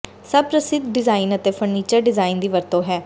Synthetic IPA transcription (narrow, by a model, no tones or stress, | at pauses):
səbpɾəsɪt̪ɖɪzaːinət̪eːpʰəɾniːt͡ʃəɾɖɪzaːind̪iːʋəɾt̪õːɦɛː